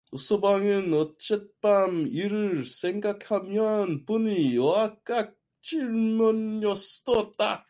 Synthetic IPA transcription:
usʰobaŋɯnʌt͡ɕ͈et̚p͈amiɾɯɭsʰeŋɡakʰamjʌnpunijowak͈ak̚ | t͡ɕ͈iɭmonʌsdot̚t͈a̰

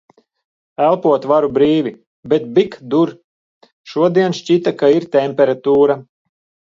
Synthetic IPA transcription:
ælˠpuɔt̪vaɾubɾiːvʲi | bɛt̪̚bikd̪uɾ | ʃuɔd̪iɛnʃt͡ʃit̪akaiɾt̪ɛmʲpʲɛɾat̪uːɾa

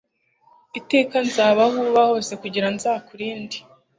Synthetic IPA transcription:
ite̞ːkanzaːβahuβaho̞se̞kuɟiɾanzaːkuɾiːndi̥

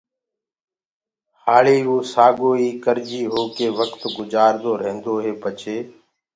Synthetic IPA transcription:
haːɭiːoːsaːɡoːiːkəɾd͡ʒiːɦoːkeːʋəkt̪ɡʊd͡ʒaːɾd̪oːɾẽːnd̪oːɦeːbət͡ʃʰeː

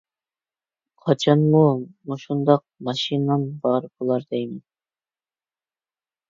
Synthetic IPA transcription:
qʰɑt͡ʃʰɑnmumuʃund̪ɑq̚mɑʃinɑnbɑɾbolˠɑɾd̪ɛjmɛn

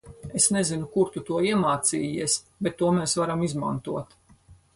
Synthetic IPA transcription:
esnezinukuɾcʲut̪uɔiɛmaːt̪siːjiɛs | bet̪ːuɔmeːsvaɾamizma̰nt̪uɔt̪

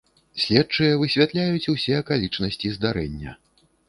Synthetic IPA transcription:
sʲlʲɛtt͡ʂɨjɐvɨsʲvʲat̪lʲajut͡sʲusʲɛɐkalʲit͡ʂnɐsʲt͡sʲizd̪aɾɛnʲːɐ̰

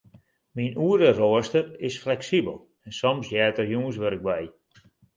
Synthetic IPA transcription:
minuədəroəstərɪsflɛksibəlˠ | ɛnsɔmsjɛːtərjuənsʋøɾɪɡ̚bɛj

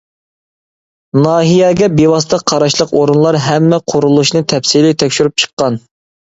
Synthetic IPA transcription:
nɑːɦijɛɡʲɛbewɑst̪ɑqʰɑɾɑʃlˠəqoɾunlˠɑɾɦɛmːɛqʰʊɾulˠuʃnɨt̪ʰɛpsilɪt̪ʰɛkʲʃyɾyp̚t͡ʃʰə̥qːɑn

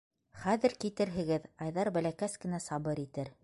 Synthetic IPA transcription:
χæðɘɾkit̪ɘ̆ɾɦɘ̆ɡɘðɑjðɑɾbælækæskɘ̆næsɑβɤɾit̪ɘɾ

